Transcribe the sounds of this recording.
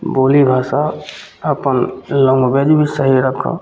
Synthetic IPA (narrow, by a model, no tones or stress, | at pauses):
boːlibʱaːsa | əpənlõŋɡbed͡ʒbʱisəɦiɾəkʰːo̰